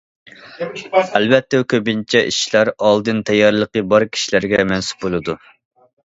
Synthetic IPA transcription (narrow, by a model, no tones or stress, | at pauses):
ælbɛt̪ːɛkʲʰøbint͡ʃʰɛʔḭʃlæɾɑlˠd̪ɨnt̪ʰɛjɑɾlˠəqəbɑɾkʲʰi̥ʃilæɾɡʲɛmɛnsu̥p̚bolˠɨd̪u